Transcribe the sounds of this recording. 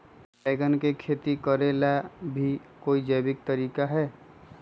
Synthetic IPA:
peːɡənkekʰeːt̪ikəɾelabʱikoːid͡ʒəbɪk̚t̪əɾiːkaɦɛː

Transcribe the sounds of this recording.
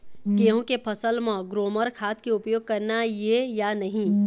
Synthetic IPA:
keːɦũkepʰɐsəlmãɡɾoːməɾkʰaːt̪keʊpjoːɡ̚kɐɾnajejanɐɦĩː

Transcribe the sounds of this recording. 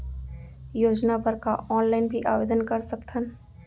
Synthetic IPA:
joːd͡ʒnapɐɾkaʔɔːnlaːɪnbʱiʔaːʋeːd̪ənkɐɾsɐkt̪ʰən

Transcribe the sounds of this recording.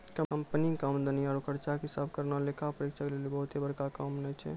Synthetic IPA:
kəəmpənikamd̪əniaɾkəɾt͡ʃakɦisabʱkəɾnalekapəɾikt͡ʃʰaklelibəɦut̪ebəɾkakamnət͡ʃʰɛ̰

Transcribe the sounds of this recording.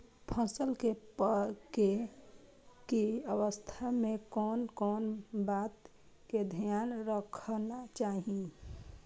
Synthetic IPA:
pʰəsəlkepke | keəwəst̪ʰamekɔːnkɔːnbat̪ | ked̪ʱijanɾəkʰnat͡ʃaɦi

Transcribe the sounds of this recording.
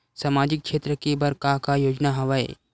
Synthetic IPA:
samaːd͡ʒɪk̚ʃeːt̪ɾəkibɐɾkakajoːd͡ʒnaɦɐʋaḛ

